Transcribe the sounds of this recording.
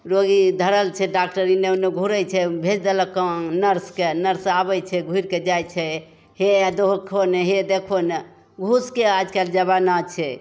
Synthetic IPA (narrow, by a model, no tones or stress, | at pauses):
ɾoɡid̪ʱəɾəlt͡ʃʰɛɖak̚ʈəɾineneɡʱuɾəjt͡ʃʰɛbʱed͡ʒd̪eləkə̃nəɾskenəɾsabɛt͡ʃʰɛɡʱuiɾked͡ʒajt͡ʃʰɛ | hed̪oɦkʰoneɦed̪ekʰone | ɡʱuskead͡ʒkeld͡ʒəβanat͡ʃʰɛ